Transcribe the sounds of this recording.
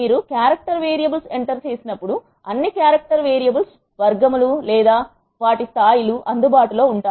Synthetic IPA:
miːɾukjaːɾɐk̚ʈɐɾʋeːɾijɐbɐlse̞ɳʈɐɾt͡ʃe̞ːsinɐpːuɽu | ɐnːikjaːɾɐk̚ʈɐɾʋeːɾijɐbɐls | ʋɐɾɡɐmululɛːd̪aː | ʋaːʈist̪ʰaːjiluʔɐnd̪ubaːʈulo̞ːuɳʈaː

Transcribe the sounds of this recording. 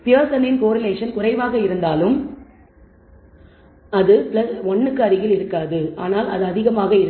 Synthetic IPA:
pɪɐːsɐnɪnkoːɾɐleːʂɐnkʊrɐɪʋaːɣɐɪɾɯnd̪aːlɯm | ɐðɯpɪlɐsɔɳːɯkːɯɐɾɪɣɪlɪɾɯkːaːðɯa̰ːnaːlɐ̰ðɯɐðɪɣɐmaːɣɐɪɾ

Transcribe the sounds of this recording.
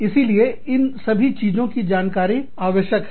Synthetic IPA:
ɪsilieɪnsɐbʱit͡ʃiːzõkid͡ʒaːnkaːɾi | aːʋəʃjək

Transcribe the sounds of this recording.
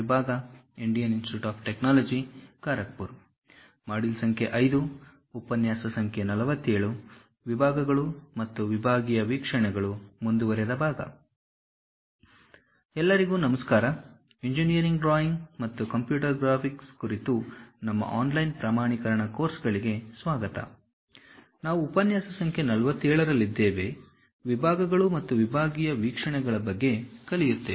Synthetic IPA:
ibʱaːɡɐiɳɖijɐninsʈiuʈaːp̚ʰʈeknaːlɐd͡ʒikaːɾɐk̚puɾ | maːɽilsɐŋkʰe̞ʔɐjd̪uː | pɐnjaːsɐsɐŋkʰenɐlɐʋɐt̪ːeːɭu | ʋibʱaːɡɐɡɐɭumɐt̪ːuʋibʱaːɡijɐʋiːkʂɐɳɛɡɐɭumund̪uʋɐɾɛd̪ɐbʱaːɡɐ̰ | ɛlːɐɾiɡuːnɐmɐskaːɾɐ | eɲd͡ʒinijɐɾiŋɡɖɾaːjiŋɡmɐt̪ːukɐmpjuːʈɐɾɡɾaːpʰikskuɾit̪unɐmːɐ̰ʔaːnlɐjnpɾaːmaːɳikɐɾɐɳɐko̞ːɾsɡɐɭiɡe̞sʋaːɡɐt̪ɐ̰ | naːʋuːpɐnjaːsɐsɐŋkʰjenɐlɐʋɐt̪ːɛːɭɐɾɐlːid̪ːeːʋe̞ | ʋibʱaːɡɐɡɐɭumɐt̪ːuʋibʱaːɡijɐʋiːkʂɐɳɛɡɐɭɐbɐɡːe̞kɐlijut̪ːe

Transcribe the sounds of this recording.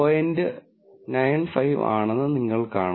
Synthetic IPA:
ojendɨ | nɐjnfɐjʋa̰ːɳɐnːɨniŋːɐɭkaːɳ

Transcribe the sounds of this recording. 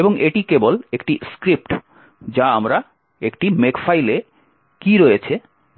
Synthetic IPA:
eboŋeʈikebolekʈiskɾip̚ʈ | d͡ʑaamɾa | ekʈimekfajle | kiɾoet͡ɕʰe

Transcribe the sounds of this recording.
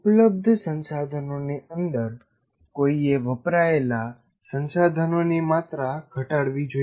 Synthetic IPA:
upləb̚d̪ʱsənsad̪ʱənoniʔənd̪əɾ | koieʋəpɾaela | sə̃nsad̪ʱənonimat̪ɾaɡʱəʈaɽʋid͡ʒo

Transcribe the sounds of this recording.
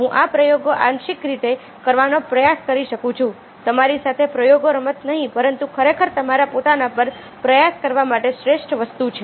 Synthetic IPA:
ɦũʔapɾəjoɡoʔanʃikɾit̪e | kəɾʋanopɾəjaskəɾiʃəkũt͡ʃʰũ | t̪əmaɾisat̪ʰepɾəjoɡoɾəmət̪nəɦĩpəɾənt̪ukʰəɾekʰəɾt̪əmaɾapot̪anapəɾ | pɾəjaskəɾʋamaʈeʃɾeʃʈʰʋəst̪ut͡ʃʰe

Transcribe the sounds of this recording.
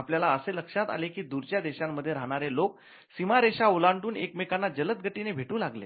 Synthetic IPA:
apljalaəseləkʂat̪a̰lekiːd̪uɾt͡ɕjad̪eɕamːəd̪ʱːjeɾaɦɽ̃aɾelok̚ | simaɾeɕaolaɳʈuːnekmekanːad͡ʑələt̪̚ɡʱəʈinebʱeʈuːlaɡlḛ

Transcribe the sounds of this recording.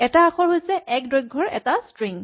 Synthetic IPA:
ɛtaaxʰɔɹɦojsɛʔɛk̚dɹojɡʱːɔɹɛ̰tastɹiŋ

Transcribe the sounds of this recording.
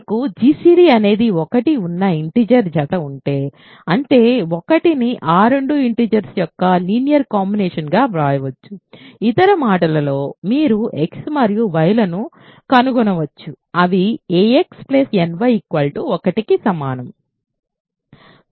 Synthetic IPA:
kud͡ʒiːsiːɾiɐne̞ːd̪iɔkɐʈiunːɐiɳʈiːd͡ʒɐɾd͡ʒɐt̪ɐuɳʈe̞ː | ɐɳʈe̞ːɔkɐʈiniʔaːɾeɳɖuiɳʈiːd͡ʒɐɾsjɔkːɐliːnjɐɾkaːmbinɛːʂɐnɡaːʋɾaːjɐʋɐt͡ʃːuit̪ɐɾɐmaːʈɐlɐlo̞ːmiːɾuʔeksmɐɾjuʋɐjlɐnu | kɐnuɡɔnɐʋɐt͡ʃːu | ɐʋieeksplesenʋɐjikʋɐːlʈuɔkɐʈikisɐmaːnɐm

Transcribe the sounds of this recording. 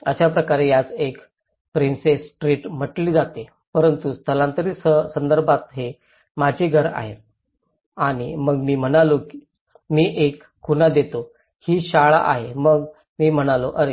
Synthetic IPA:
əɕapɾəkaɾejat͡sek | pɾinsesʈɾiːʈm̤əʈliːd͡zat̪e | pəɾənt̪ust̪əlãnt̪əɾiːsəsənd̪əɾbʱat̪ɦe | mad͡ʑʱeɡʱəɾa̰ɦe | aɽ̃iməɡmiːm̤əɽ̃aloki̥ | miːʔekːunad̪et̪o | hiːɕaɭa̰ʔa̰ɦeməɡ | miːm̤əɽ̃aloʔəɾe

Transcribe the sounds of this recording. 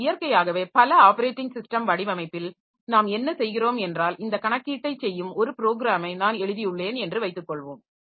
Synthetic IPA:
ɪjɐɾkɐjaːɣɐʋeːpɐlɐaːpɐɾeːʈːɪŋsɪsʈɐmʋɐɽɪʋɐmɐɪpːɪl | naːmɛnːɐsɛjɣɪroːmɛndraːlɪnd̪ɐkɐɳɐkːiːʈːɐɪt͡ʃːɛjːɯmɔɾɯpɪɾoːɣɪɾaːmɐɪnaːnɛɻɯðɪjɯɭːeːnɛndrɯʋɐɪt̪ːɯkːɔɭʋoːm

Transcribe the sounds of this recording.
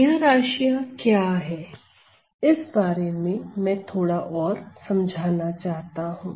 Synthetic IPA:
ɦɾaːʃijakjaːɦɛː | ɪsbaːɾemẽmɛ̃t̪ʰoːɽaʔɔːɾsɐ̃md͡ʒʱaːnat͡ʃaːɦt̪aɦũː

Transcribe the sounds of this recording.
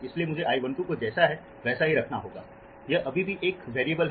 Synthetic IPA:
ɪsliemʊd͡ʒʱeʔaːjʋɐ̃nt̪ũkod͡ʒɛːsaɦɛ | ʋɛːsaɦiɾɐkʰnaɦoːɡa̰ː | jɐʔɐbʱibʱiʔeːkʋeːɾiebəlɦ

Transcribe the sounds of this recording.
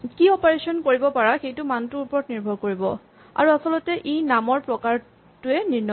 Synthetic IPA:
kiɔpaɹesɔnkoɹibɔpaɹaxejtʊmantuupɔɹɔt̚niɹbʱɔɹkoɹibɔ | a̰ɹuasɔlɔtɛʔejnamɔɹpɹɔkaɹ | tʊɛniɹnɔ

